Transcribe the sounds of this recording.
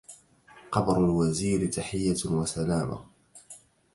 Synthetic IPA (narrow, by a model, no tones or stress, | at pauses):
qɑbɾʊlwaziːɾɪt̪aħɪjːawasalaːma̰